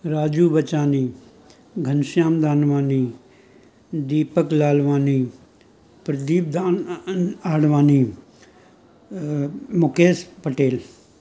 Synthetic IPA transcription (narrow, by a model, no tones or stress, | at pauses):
ɾaːd͡ʒuːbət͡ʃaːniː | ɡʱɐnsjaːmd̪aːnʋaːniː | d̪iːpəklaːlʋaːniː | pɾd̪iːpd̪aːnaːɽʋaːniː | mʊkeːspəʈeːl